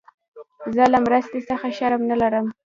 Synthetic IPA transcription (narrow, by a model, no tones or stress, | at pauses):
zəlamɾəst̪esəxaʃaɾmnalaɾəm